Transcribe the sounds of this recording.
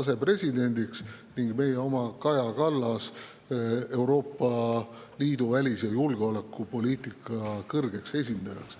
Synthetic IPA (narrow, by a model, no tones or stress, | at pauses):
ɑse̞pre̞sʲid̪e̞nʲd̪̥iksniŋɡme̞jeo̞mɑkɑjɑkɑlːɑs | e̞wɾo̞ːpːˑɑ | liːd̪̥uvælʲisjɑjulɡ̥eo̞lekːˑupo̞lʲiːt̪ˑikːˑɑkɤrɡ̥e̞kse̞s̬ʲind̪̥ɑjɑks